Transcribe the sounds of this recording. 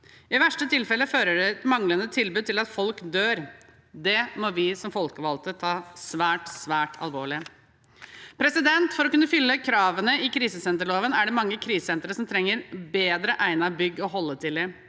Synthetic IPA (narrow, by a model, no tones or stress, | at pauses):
ɪʋæʂʈət̪ʰɪlfɛlːəføːɾəɖɛt̪mɑŋlənət̪ʰɪlbʉːd̪̚t̪ʰɪlɑt̪fɔlkd̪øːɾ | d̪ɛmɔʋɪsɔmfɔlkəʋɑlt̪ət̪ʰɑːsʋæːʈsʋæːʈʰɑ̰lʋo̰ːɭɪ | pʰɾɛsɪd̪ɛnt̪fɔɾɔkʉnːəfʏlːəkʰɾɑːʋənəɪkʰɾiːsəsɛnt̪əɭoːʋənæɖɛmɑŋːəkʰɾiːssɛnt̪ɾəsɔmt̪ʰɾɛŋːəɾbeːd̪ɾəʔæɪnɑbʏɡːɔɦɔlːət̪ʰɪlɪ